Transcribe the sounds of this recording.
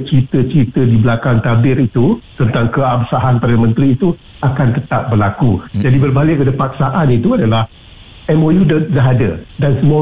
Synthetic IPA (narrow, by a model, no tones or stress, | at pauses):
t͡ʃit̪ət͡ʃit̪ədibəlakaŋt̪abɪɾit̪ut̪ənt̪aŋkəabsaɦanpədanəmə̃nt̪ɾiːt̪u | akant̪ət̪ap̚bərlakud͡ʒadibərbalɪkədəpak̚saʔanit̪uadalah | ɛmojudədaɦadə̰dansəmua